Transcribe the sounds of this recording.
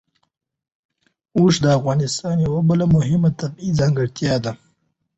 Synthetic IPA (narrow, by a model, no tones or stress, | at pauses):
oʂd̪əafɣɑnɪst̪ɑnjawabəlamʊhɪmat̪abizɑŋɡəɽt̪jɑd̪a